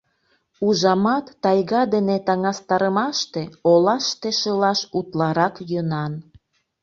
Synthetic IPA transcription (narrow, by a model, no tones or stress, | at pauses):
uʒɑmɑt̪ːɑjɣɑd̪enet̪ɑŋɑst̪ɑɾəmɑʃt̪eolɑʃt̪eʃəlɑʃut̪lɑɾɑkjønɑn